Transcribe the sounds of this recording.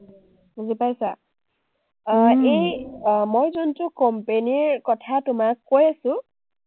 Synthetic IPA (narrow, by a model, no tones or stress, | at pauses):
zipajsa | ejmojzuntʊkɔmpeniɹkɔtʰatʊmakːojasʊ̃